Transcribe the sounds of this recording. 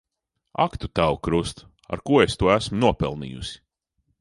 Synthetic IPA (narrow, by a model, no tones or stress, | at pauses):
a̰kt̪ut̪awkɾust̪ | a̰ɾkuɔest̪uɔæsmunuɔpɛ̰lˠnḭːjusi̥